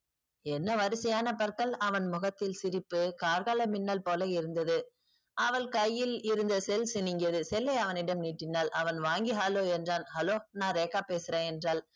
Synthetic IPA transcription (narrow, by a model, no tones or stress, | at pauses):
ɛnːɐʋɐɾɯsɐjaːnɐpɐɾkɐlɐʋɐnmʊɣɐt̪ːɪlsɪɾɪpːɯkaːɾɣaːlɐmɪnːɐlpoːlɐɪɾɯnd̪ɐðɯ | ʔɐʋɐlkɐjːɪlɪɾɯnd̪ɐsɛlsɪnɪŋɡɪɐðɯsɛlːɐɪɐʋɐnɪɽɐmniːʈːɪnːaːlʔɐʋɐnʋaːŋɡɪɦaːloːɛndraːnhɐloːnaːɾeːkːaːpeːsɯɾẽːɛndraːl